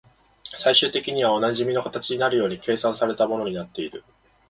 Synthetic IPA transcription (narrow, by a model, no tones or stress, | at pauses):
saiɕɨːt̪e̞kʲiɲ̟iβ̞ao̞naʑimʲino̞kat̪at͡ɕiɲ̟inaɾɯ̟jo̞ːɲ̟ike̞ːsãsaɾe̞t̪amo̞no̞ɲ̟inat̪ːe̞iɾɯ̟